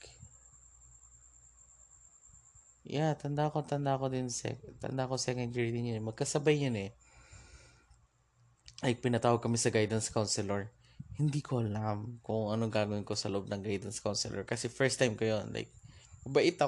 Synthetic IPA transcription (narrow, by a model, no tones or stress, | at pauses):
jat̪ɐnd̪akot̪ɐnd̪ako̞d̪ɪnsɛ̰t̪ɐ̰nd̪akosɛkɐnd̪ɛɹid̪ɪnjʊnɛmɐɡ̚kɐsɐbajːʊnɛ | lajk̚pɪnɐt̪aːwɐɡ̚kːɐmɪsɐɡajd̪ɐnskawnsɪlɛɹ | hɪnd̪iːkʰoʔɐlamkʊŋŋʔɐnoŋɡaːɡɐwɪnko̞sɐloʔo̞b̚nɐŋɡajd̪ɐnskawnsɪlʔɛ̰ɹkɐsɛfɛɹst̪ːajmkɐjonlʔa̰jk̚mɐbɐʔɪt̪ɐ